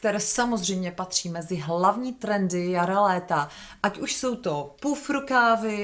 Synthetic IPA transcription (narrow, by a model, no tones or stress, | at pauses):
k̚t̪ɛɾɛːsamozrɛjmɲɛpat̪r̝̥iːmɛzɪɦlavɲiːt̪ɾɛndɪjaɾalɛːt̪aʔacuʃso̞wt̪opufɾukaːvɪ